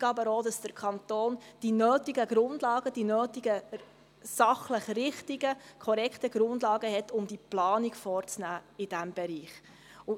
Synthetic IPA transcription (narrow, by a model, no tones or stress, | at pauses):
ɡɑbəɾoːdɑsd̥əɾkʰɑnt̪oːnd̥inøːtiɡəɡ̥ɾʊnd̥lɑːɡ̥əd̥inøːtiɡə | sɑχləχrɪχtiɡəkʰɔɾɛkχtəɡɾʊndlɑːɡəɦɛtʰʊmdiplɑːniɡfɔːɾt͡snæːɪd̥æmb̥ɛɾiːχ | ʊ